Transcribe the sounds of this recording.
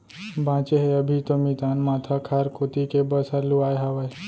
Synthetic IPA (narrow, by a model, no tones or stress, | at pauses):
bãt͡ʃeɦeəbʱit̪omit̪anmat̪ʰakʰaɾkot̪ikebəsaɾluajɦaʋəj